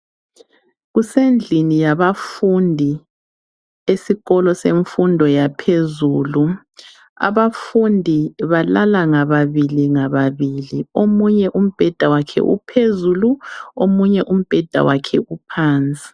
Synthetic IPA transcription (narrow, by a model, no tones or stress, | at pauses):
ɣusend͡ɮʱinijaβafundʱi | esiɣɔlɔseɱfundʱɔjapʰezuːlu | a̰βafundʱiβalalaŋaβaβiliŋaβaβiliomuɲɛʔum̩b̥ʱɛd̥ʱawakʰɛ̰ʔṵpʰezuluomuɲɛʔum̩b̥ʱɛd̥ʱa̰wakʰɛupʰaːnt͡sʼi̥